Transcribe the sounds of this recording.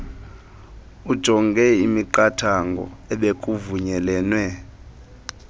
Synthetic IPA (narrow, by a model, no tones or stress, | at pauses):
ud̥ʒ̥ʱɔŋɡʱɛimiǃatʰaŋɡʱɔ̰ɛɓekʼuvuɲɛlɛːnwɛ